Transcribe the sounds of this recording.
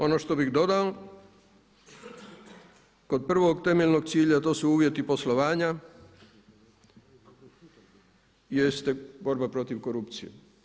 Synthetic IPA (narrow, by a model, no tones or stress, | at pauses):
o̞no̞ʃt̪o̞biɣd̪o̞d̪ao | ko̞d̪̚pr̩ʋo̞ɡt̪e̞meʎno̞ɡt̪siːʎat̪o̞ːsuuːʋje̞t̪ipo̞slo̞ʋaːɲa | jest̪ebo̞ɾbapɾo̞t̪iʋko̞ɾupt̪sijḛ